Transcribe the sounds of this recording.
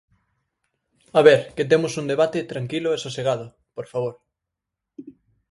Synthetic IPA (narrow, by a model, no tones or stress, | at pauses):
aβeɾket̪emʊsund̪eβat̪et̪ɾaŋkilʊesoseɣaðʊ | poɾfaβ̞oɾ